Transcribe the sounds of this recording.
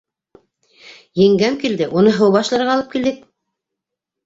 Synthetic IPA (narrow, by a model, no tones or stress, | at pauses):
jɘ̆ŋɡæmkild̪ɘʔunɤɦɤwβɑʃlˠɤ̆ɾɑlˠɤp̚kild̪ɘk̚